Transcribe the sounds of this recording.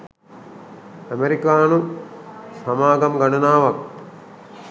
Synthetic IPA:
ɐmeɾikaːnu | sɐmaːɡɐmɡɐɳɐnaːʋɐk̚

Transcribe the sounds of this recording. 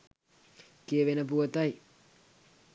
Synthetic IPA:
kijəʋenəp̬uʋət̪aj

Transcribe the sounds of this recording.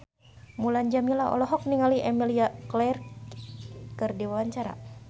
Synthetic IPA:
mulaɲd͡ʒamilaɔ̰lɔɦɔk̚niŋaliʔɛmiliaklɛr | kɨrdiwawaɲt͡ʃaɾa̰

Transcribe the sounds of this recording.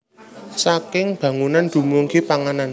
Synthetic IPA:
sakɪŋb̥ä̤ŋunand̪̥ṳmuŋkipaŋanan

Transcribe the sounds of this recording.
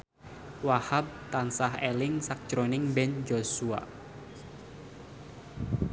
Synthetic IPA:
wahab̚t̪ansahelɪŋsak̚t͡ʃɾonɪŋbɛnd͡ʒosua̰

